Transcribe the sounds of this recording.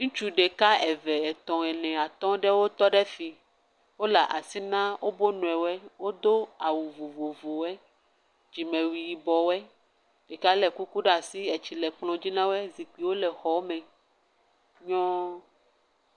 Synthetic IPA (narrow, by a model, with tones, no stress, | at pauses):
ŋũ˦t͡ʃu˦ɖe˨ka˦ɛ˨vɛ˨ɛ˨t̪ɔ̃˨ɛ˨nɛ̃˨a˨t̪ɔ̃˦ɖɛ˦wo˦t̪ɔ˦ɖɛ˦fi˨ | wo˦la˨ʔa˨si˦nã˦wʔo˦bo˦nũ˨ɛ˨wɛ˦wo˦d̪o˦a˨wu˨vo˨vo˨vo˨wɛ˦ | d͡ʒi˨mɛ̃˨wi˨ji˨bɔ˨wɛ˦ | ɖ̥e˨ka˦lɛ˨ku˦ku˦ɖa˨si˦ɛ˨t͡ɕi˨lɛ˨k͡plɔ̃˨d͡ʑi˦nã˦wo˦ɛ˦zi˨k͡pi˨wo˦lɛ˨xɔ˨˦mɛ̃˨ | ɲɔ̃˦